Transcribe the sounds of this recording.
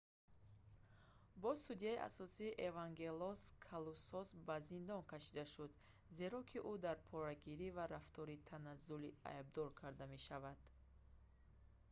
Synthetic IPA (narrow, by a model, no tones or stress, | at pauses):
bɔsud̪ijaiʔa̰sɔsiːʔevaŋɡe̞lɔskʰalusɔsbazind̪ɔnkʰaʃid̪aʃud̪ | ze̞ɾɔkʰiʔud̪aɾpʰɔɾaɡiɾivaɾaft̪ʰɔɾit̪ʰanazulia̰ib̚d̪ɔɾkʰaɾd̪ame̞ʃavad̪̥